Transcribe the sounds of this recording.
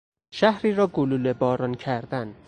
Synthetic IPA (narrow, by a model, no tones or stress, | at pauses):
ʃæhɾiːɾɒːɡoluːlebɒːɾɒncʰæɾd̪æn